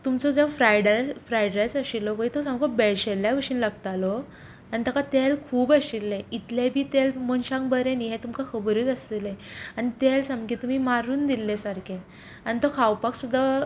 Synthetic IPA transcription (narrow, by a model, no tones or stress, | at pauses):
t̪umt͡sɔd͡zafɾajɽafɾajɖɾajsəɕilːɔʋəit̪ɔsãmkɔbeɽɕelːjaʋəɾʂiːnlaɡt̪alɔ | anit̪akat̪elkʰuːbəɕilːeit̪lebʱiːt̪elməɳɕãŋbəɾeniɦɛt̪umkakʰəbɾiːt̪əst̪ileanit̪elsamkit̪umiːmaɾuːnd̪ilːesaɾkʰẽ | anit̪ɔkʰawpaksud̪ʱːa